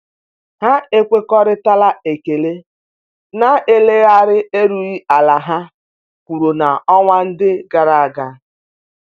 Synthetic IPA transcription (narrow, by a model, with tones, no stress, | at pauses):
ha˦e˦kʷe˦kɔ˦ɾɪ˦ta˦la˦e˨ke˨le˦ | na˦e˨le˦a˦ɾɪ˦e˦ɾu˨i˦a˨la˨ɦa˦ | kʷu˨ɾu˨na˨ɔ˦ŋʷa˦n̩˦dɪ˦ɡa˦ɾa˨a˨ɡa˦